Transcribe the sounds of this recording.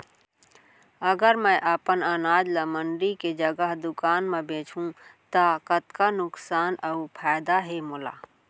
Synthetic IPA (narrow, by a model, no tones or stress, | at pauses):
əɡəɾməʔəpənənaːd͡ʒləməɳɖiked͡ʒəɡəɦd̪ʊkaːnmẽbẽːt͡ʃʰũt̪əkət̪kanʊksaːnʔəupʰaːjd̪aɦemʊla̰ː